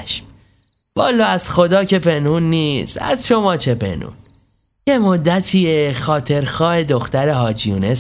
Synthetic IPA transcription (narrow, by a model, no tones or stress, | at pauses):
ʃm | vɒːlːɒːæz̥xo̞d̪ɒːcʰe̞pʰenhuːnːiːsæ̰zʃo̞mɒːt͡ʃʰe̞pʰḛnṵːn | jemod̪ːæt̪ʰiːexɒːt̪ʰe̞ɾxɒːhe̞d̪oxt̪æɾeɦɒːd͡ʒijṵːnes